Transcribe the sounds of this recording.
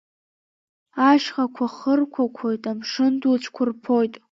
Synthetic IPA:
aʃχakʷʰaχərkʷʰakʷʰo̞jtʼamʂɨndut͡ʃʷʰkʷʰʊrpʰo̞jtʼ

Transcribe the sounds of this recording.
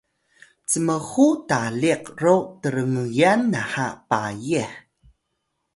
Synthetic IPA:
t͡səməxutaliqrotəɾəŋəjanːaħapajiħ

